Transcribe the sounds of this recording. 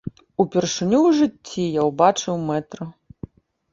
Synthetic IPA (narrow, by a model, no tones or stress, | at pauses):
upʲɛrʂɨnʲuwʐɨt͡sʲːijawbat͡ʂɨwmɛt̪ɾɐ